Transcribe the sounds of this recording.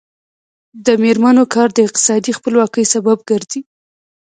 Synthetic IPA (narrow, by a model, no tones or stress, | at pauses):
d̪əmeɾmanokʰɑɾd̪əɪq̚t̪ɪ̥sɑd̪ixpəlwɑkəjsabab̚ɡəɾzi